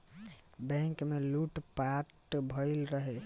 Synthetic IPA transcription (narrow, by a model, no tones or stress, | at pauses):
bɛ̃ŋkmeluʈpaʈbʱəɪlɾəɦe